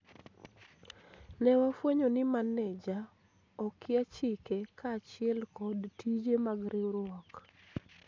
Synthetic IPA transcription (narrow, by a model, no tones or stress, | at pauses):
nɛwafweɲonɪmanɛd͡ʒa | ɔkɪat͡ʃɪkekʰat͡ʃɪɛlkɔdtʰid͡ʒemaɡɾɪɾɔk